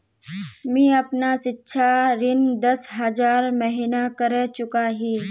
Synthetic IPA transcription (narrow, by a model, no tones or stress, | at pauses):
mĩːɐpnasɪtːʃʰaɾɪnd̪ɐsɦɐd͡ʒaːɾmɐɦinakəɾet͡ʃʊkaɦiː